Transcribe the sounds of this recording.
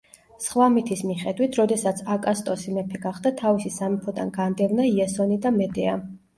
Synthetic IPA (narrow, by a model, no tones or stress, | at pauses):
sχwamit̪ʰismiχɛd̪wit̪ʰɾɔd̪ɛsat̪sʰakʼast̪ʼɔsimɛpʰɛɡaχd̪at̪ʰavisisamipʰɔd̪a̰nɡand̪ɛvnaiasɔnid̪amɛd̪ɛa